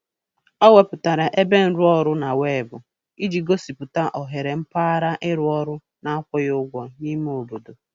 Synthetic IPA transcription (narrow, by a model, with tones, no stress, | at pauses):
ɔ˦we˨pʊ˨ta˨ɾa˨ʔe˦be˦n̩˨˦ɾʊ˦ɔ˦ɾʊ˦na˨we˦˨bʊ̰˨ | i˦d͡ʒi˨ɡo˦si˨pʊ˨ta˦ʔɔ˨ɦe˨ɾe˨m̩˦pa˦a˦ɾa˦ʔɪ˦ɾʊ˦ɔ˦ɾʊ˦ | na˦a˦kʷɔ˦jʊ˦ɡʷɔ˨ni˦mu˦ʊ˨du˨du˨